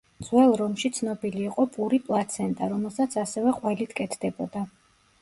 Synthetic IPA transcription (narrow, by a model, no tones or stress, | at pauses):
d̪z̥wɛlˠɾɔmʃit̪sʰnɔbiliːqʼɔpʼuɾipʼlˠat̪sʰɛnt̪ʼaɾɔmɛlˠsat̪sʰasɛvɛqʼwɛlit̪ʰkʼɛt̪ʰd̪ɛbɔd̪a